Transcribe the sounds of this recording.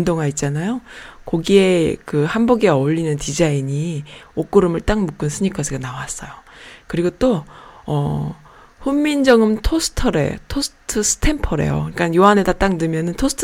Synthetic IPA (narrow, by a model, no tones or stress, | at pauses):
ndoŋait̚t͡ɕ͈anajokoɡie̞kɯhambuɡiɡaoʎːinɯntid͡ʑaiɲiok͈ɯɾɯmɯɭt͈aŋmuk͈ɯnsʰɯɲikʰʌsʰiɡanawas͈ʌjokɯɾiɡot͈oʌ | ɸumːind͡ʑʌŋɯmtʰosʰɯ̥tʰʌɾe̞̰tʰosʰɯ̥tʰɯsʰɯ̥tʰe̞mpʰʌɾe̞̰jo̰ik͈anjoɦanedat͈aŋdɯmjʌnɯntʰosʰɯ̥tʰ